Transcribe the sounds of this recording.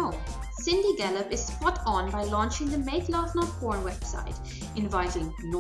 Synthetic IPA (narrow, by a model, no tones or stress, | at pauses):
sɪ̃ndiɡæləpɪz̥spɔtn̩baɪlɔ̃nt͡ʃɪ̃ŋd̪əmeɪtlaːtnəkɔːɹnwɛb̥sa̰ɪt | ɪ̃nvaɪɾɪ̃ŋ | nɔ